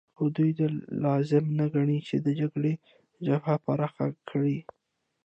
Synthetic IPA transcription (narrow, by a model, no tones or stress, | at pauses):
xʊd̪ujd̪əlɑzɪmnaɡaɳit͡ʃed̪əd͡ʒaɡɽe | d͡ʒafapaɾɑxa̰kʰɽi